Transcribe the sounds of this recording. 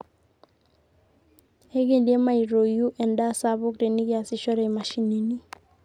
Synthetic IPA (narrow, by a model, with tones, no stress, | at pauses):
e˦ɡe˨ndje˦ma˨i˨ɾo˨ju˦ʔɛ˨nda˦˨sa˦βʊ˦kte˨ni˦kɪ˦a˨sɪ˦ʃɔ˦ɾɛ˦˨ma˨ʃi˨ne˨ni˦